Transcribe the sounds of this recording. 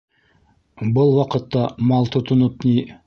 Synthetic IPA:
bʊlˠwɑqət̪ːɑmɑlˠt̪ʰət̪ənəp̪nʲi

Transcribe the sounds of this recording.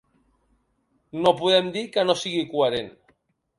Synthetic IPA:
nopuð̞ɛmd̪ikənosiɣikueɾen

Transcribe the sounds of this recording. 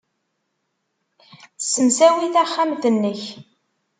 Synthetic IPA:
θsːəmsæwiθæχːamθənːəç

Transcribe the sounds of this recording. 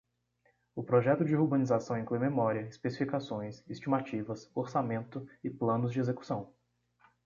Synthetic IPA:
ʊpɾoʒɛt̪ʊd͡ʒɪhuɾbɐ̃nizasɐ̃w̃ĩŋklujmemɔɾiɐɪspesifikasõj̃sist͡ʃimat͡ʃivɐsoɾsamẽnt̪ʊɪplɐ̃nʊzd͡ʒɪezeku̥sɐ̃w̃

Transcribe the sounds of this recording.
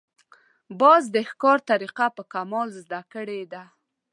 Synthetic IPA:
bɑzd̪əhkɑɾt̪aɾiqapəkamɑlzd̪akəɽed̪a

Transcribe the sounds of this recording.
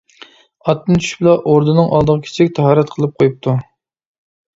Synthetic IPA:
ɑt̪ːɨnt͡ʃ̪ʰy̥ʃblˠɑʔoɾd̪ɨnɨŋʔɑlˠd̪əʁəkʲʰe̥t͡ʃʰɪkʲt̪ʰɑɦɑːɾɛt̪qʰəlˠɨp̚qʰojup̚t̪ʰu

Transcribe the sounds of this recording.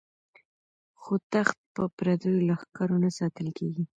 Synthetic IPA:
xot̪axt̪̚pəpɾad̪ojlaxkaɾonasɑt̪əlkʰeɡi

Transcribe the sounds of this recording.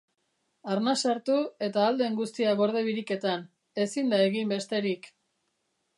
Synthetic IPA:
aɾnasaɾt̪ue̞t̪aːld̪e̞ŋɡust̪iaɣo̞ɾð̞e̞βiɾike̞t̪an | e̞sind̪ae̞ɣimbe̞st̪e̞ɾik

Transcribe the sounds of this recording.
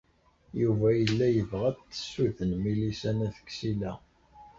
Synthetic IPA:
juvæjəlːæjəvʁæθə̥sːuθənmilisænæθə̥ksilæ

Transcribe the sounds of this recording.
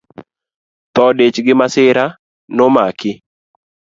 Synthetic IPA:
t̪ɔdet͡ʃɡɪmasɪɾa | nomakɪ

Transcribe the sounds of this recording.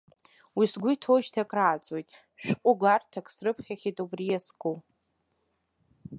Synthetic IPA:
wisɡʷʊtʰoʒtʰakʼraːt͡sʼojtʼ | ʃᶣqʷʼʊɡʷartʰakʰʼsrɨpʰχʲaχʲitʼubrijaskʼo

